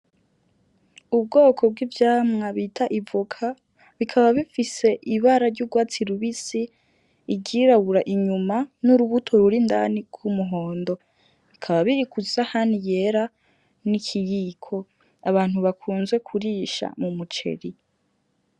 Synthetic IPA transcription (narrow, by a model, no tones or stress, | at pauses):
ub̚ɡoːkʰo̞b̚ɡivjaːmŋaβitʰaʔivukʰa | βikʰaβaβifise̞ʔiβaɾaɾɟuːɡwaːt͡siɾuβisiː | ɡɟiɾaβuɾaʔiɲumanuɾuβutʰoɾuɾinda̰niɡ̥umuɦo̞ːndo̞ | βikʰaβaβiɾikuzahanije̞ɾa | nikʰijiːkʰo̞ | aβaːnhuβakʰuːnzwe̞kʰuɾiːʃa̰mumut͡ʃe̞̰ɾi